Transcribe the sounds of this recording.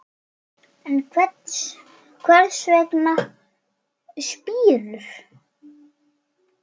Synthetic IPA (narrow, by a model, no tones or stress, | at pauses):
ɛnkʰvɛt̪s | kʰvɛɾðsvɛkna | spiːlʏɾ